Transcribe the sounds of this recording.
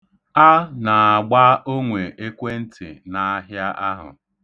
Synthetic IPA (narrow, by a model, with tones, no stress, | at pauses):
a˦na˨a˨ɡ͡ba˦ʔo˦ŋʷe˨ʔe˦kʷe˦n̩˦tɪ̰˨na˨a˦ɦja˦ʔa˦ɦʊ̰˨